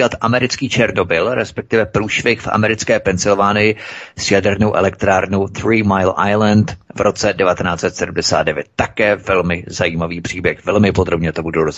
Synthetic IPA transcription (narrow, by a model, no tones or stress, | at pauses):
at̪ʔamɛɾɪt͡skiːt͡ʃɛɾno̞bɪlɾɛspɛk̚t̪ɪvɛpɾuːʃvɪxfʔa̰mɛɾɪt͡skɛːpɛnsɪlvaːnɪjɪsjadɛɾnowʔɛ̰lɛk̚t̪ɾaːɾnoθɾiːmajlʔa̰jlɛnt̪vɾot͡sɛdɛvat̪ɛnaːt͡sɛt̪sɛdumdɛsa̰ːd̪dɛvjɛt̪̚tːakɛːvɛlmɪzajiːmaviːpr̝̥iːbjɛxvɛlmɪpod̪ɾobɲɛt̪obudoɾoz